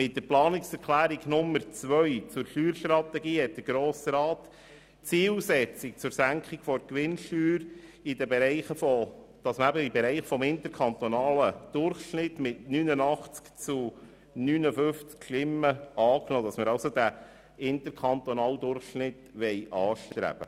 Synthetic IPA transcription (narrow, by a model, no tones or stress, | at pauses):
mɪt̚dəɾplɑːnɪksɛɾkχlæːɾiɡnʊmːəɾt͡sʋœʏt͡sʊɾʃyːɾʃtɾɑt̪ɛɡiːhɛt̚d̥əɾɡ̥ɾoːsɾɑːt̪ | t͡siːlsɛt͡sɪk̚t͡sʊɾsæŋkχikfɔɾkʋɪnʃtyːɾidəbɛɾɛɪχəfɔ | d̪̥ɑsməæbəibɛɾɛɪχfɔmɪntəɾkʰɑnt̪ɔnɑːləd̥ʊrχʃnɪtmɪtnynənɑχt͡skt͡su | nynəfʏft͡skʃlɪmːəɑːknoːdɑsməɾɑʊsod̪æ | ɪnt̪əɾkʰɑnt̪ɔnɑːld̪ʊrχʃnɪtʋɛɪʔɑːʃtɾæ̰b̥ə̰